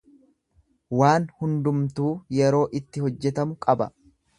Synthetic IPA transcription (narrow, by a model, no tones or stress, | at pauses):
waːnhʊnd̪ʊmt̪uːjɛɾo̞ːʔɪt̪ːɪɦɔd͡ʒːɛt̪ɐmʊkʼɐbɐ̰